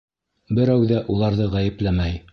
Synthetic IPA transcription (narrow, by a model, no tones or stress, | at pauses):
bɘ̆ɾæwðæʔulˠɑɾðɤʁæjɘ̆plæmæj